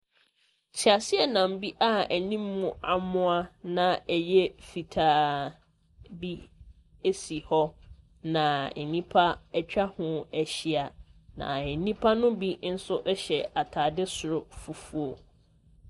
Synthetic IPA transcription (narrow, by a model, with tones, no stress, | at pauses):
t͡ɕʰi˨a˨sɪ˦ɛ˨nã˨m˨bi˦ʔa˦æ˨nĩ˦mːũ˦a˨mʊ̃˦a˦nã˨ɛ˨jɛ˦fi˨tʰaː˨ | bi˦ | e˦si˨hɔ˦ | nã˨ɛ˨nĩ˦pʰa˦ɛ˦t͡ɕᶣa˦hʊ̃˦æ˨ɕi˨a˨nã̰˨ɛ˨nĩ˦pʰa˦nʊ̃˦bi˦n̩˦sʊ˦ʔɛ˦ɕɛ˨a˨tʰaː˨dɪ˦sʊ˨ɾʊ˨fu˨fu˦o˨